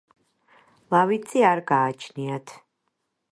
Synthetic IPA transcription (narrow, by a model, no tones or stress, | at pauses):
lˠavit̪sʼiaɾɡaːt͡ʃʰniat̪ʰ